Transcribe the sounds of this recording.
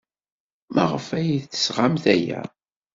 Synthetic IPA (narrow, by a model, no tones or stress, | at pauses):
mʔə̰ʁəfæjiðθə̥sʁamθæjæ̰